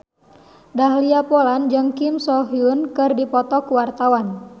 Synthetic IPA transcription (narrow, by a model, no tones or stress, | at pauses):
daɦliapoland͡ʒɨŋkimsɔɦiunkɨrdipɔt̪ɔkuwart̪awan